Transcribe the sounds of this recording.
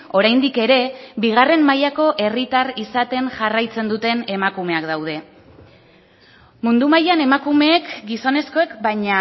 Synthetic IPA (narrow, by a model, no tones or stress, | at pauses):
o̞ɾajnd̪ike̞ɾe̞biɣ̞are̞mːajako̞ʔe̞rit̪arisat̪e̞ŋʝarajt͡se̞nd̪ut̪e̞ne̞makume̞akd̪awð̞e̞ | mund̪umajane̞makume̞ːkɡiso̞ne̞sko̞e̞kbaɲa